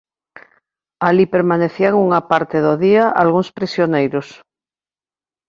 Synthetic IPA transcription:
alipeɾmaneθiaŋuŋapaɾt̪eðoðiaʔa̰lɣuŋspɾisjonejɾos

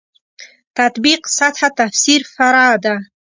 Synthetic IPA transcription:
t̪ʰat̪biqsatħat̪afsirfaɾaːd̪a

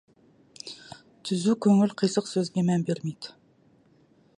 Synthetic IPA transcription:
t̪ʰyzykʲʰøŋylqʰəjsəqsøzɡʲɛmɛnbeɾmid̪

